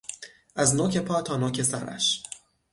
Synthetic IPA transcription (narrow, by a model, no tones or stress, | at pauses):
ʔæznoːkʰe̞pʰɒːt̪ʰɒːnɔːcʰe̞sæ̰ɾæ̰ʃ